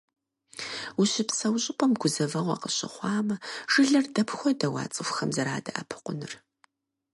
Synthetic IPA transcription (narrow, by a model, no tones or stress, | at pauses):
uɕɪpsɐwɕʼɪpʷʼɔmɡʷʊzɐvɐʁʷɐ̰qəɕɪ̰χʷɑːmɐʐ̥ɨɮɐrdɐpʰxʷɔdɐwɑ̰ːt͡sʼɨfxɐmzɐɾaːdɐʔɐpʰɨ̥qʷʊnɨr